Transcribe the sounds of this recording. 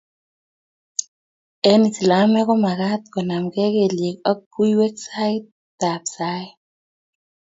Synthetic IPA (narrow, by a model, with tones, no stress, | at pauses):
ɛ˦ni˨si˨la˨mɛ˦kɔ˦ma˨ka˦t̪kɔ˨na˨mkɛ˦ke˨lje˨kɔ˦k̚ːu˦iwɛ˦ksa˦ɪt̚ | da˨psa˦